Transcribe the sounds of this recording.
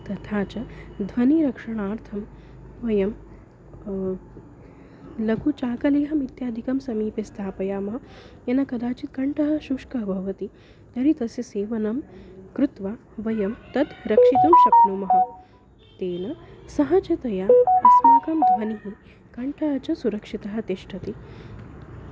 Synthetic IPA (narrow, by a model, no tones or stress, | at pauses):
t̪ɐt̪ʰaːt͡ʃɐd̪ʱʋɐniɾɐkʂɐɳ̃aːɾt̪ʰɐm | ʋɐjɐm | lɐkut͡ʃaːkɐleɦɐmit̪jaːd̪ʱikɐmsɐmiːpest̪ʰaːpɐjaːmɐɦɐ̆ | jɐnɐkɐd̪aːt͡ʃit̪̚kɐɳʈɐɦɐ̆ʃuʂkɐɦbʱɐʋɐt̪i | t̪ɐɾit̪ɐseseːʋɐnɐmkɾut̪ʋa | ʋɐjɐmt̪ɐd̪ɾɐkʂit̪umʃɐknuːmɐɦɐ̆ | t̪eːnɐsɐɦat͡ʃɐt̪ɐjaɐsmakɐmd̪ʱʋɐniɦi | kɐɳʈʰɐɦɐt͡ɕɐsuɾɐkʂit̪ɐɦɐ̆t̪eʂʈʰɐt̪i